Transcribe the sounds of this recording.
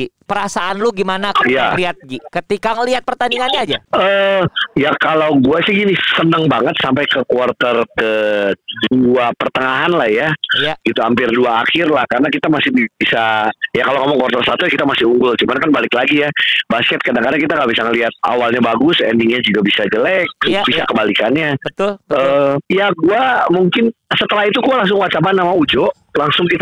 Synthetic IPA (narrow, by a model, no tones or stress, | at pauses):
ipəɾasaʔanloɡimanakəjaliat̪̚ɡikət̪ikaŋəliɦat̪̚pərt̪aniŋanɲaːd͡ʒaəjakalawɡuasɪhɡinɪsənəŋbaŋət̪̚sampajkəkwart̪ərkəduapərt̪əŋaɦanlahjajɡit̪uampɪrduaːxɪrlahkarənakit̪amasɪhbibisajakaloŋomaŋkwart̪ərsat̪ukit̪amasɪuŋɡʊlt͡ʃumankanbalɪklaɡijabaskɛt̪̚kadaŋkadaŋkit̪aŋabisaŋəliɦat̪̚a̰walɲabaɡʊsɛ̰ndɪŋɲad͡ʒuɡabisad͡ʒəlɛk̚bisakəbalikanɲabt̪əjaɡuamuŋkɪnsət̪əlaɦit̪uɡualaŋs̬ʊŋwat͡ʃabanːamaud͡ʒoʔ | laŋsʊŋkit̪